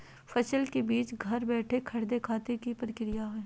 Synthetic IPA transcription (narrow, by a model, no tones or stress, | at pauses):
fɐʃəlkebiːt͡ʃɡʱɐɾbɛːʈʰekʰɐɾd̪ekʰaːt̪ekipɾkɪɾɪjaɦoeː